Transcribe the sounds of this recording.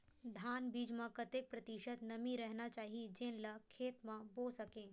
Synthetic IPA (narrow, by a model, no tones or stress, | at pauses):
d̪ʱaːnbiːd͡ʒmãkɐt̪ek̚pɾɐt̪iʃət̪nɐmiɾɛɦnat͡ʃaːɦid͡ʒẽnlɐkʰeːt̪mãboːsɐkẽː